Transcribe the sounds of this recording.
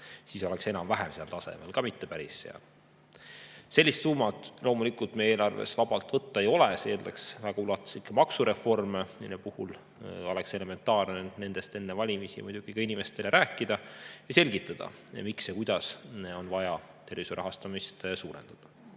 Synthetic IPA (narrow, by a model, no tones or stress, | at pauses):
siːso̞lekse̞nɑmvæɦɛmseɑlt̪ɑse̞̰me̞̰lkɑmit̪ːe̞pæɾisːḛɑ̰l | se̞lːist̪suːmɑt̪ˑlo̞ːmulikult̪meeːlɑrvḛsvɑb̥ɑlt̪ˑvɤt̪ˑːɑe̞jo̞leseːlleksvæɡ̥ɑulɑt̪ːˑu̥sikːˑemɑksuɾe̞fo̞rme̞ninːepuhul | o̞lekse̞le̞me̞nt̪ɑːrnenne̞nd̪̥e̞st̪e̞nːevɑlʲimisḭmujd̪̥uɡ̥ikɑinime̞st̪e̞le̞ɾæːkːˑid̪̥ɑjɑse̞lʲɡit̪ːˑɑd̪̥ɑ̰ | miksjekujd̪̥ɑso̞nvɑjɑ | t̪e̞rvisuɾʔɑ̰ɦɑst̪ɑmist̪suːɾe̞̰nd̪̥ɑd̪̥ɑ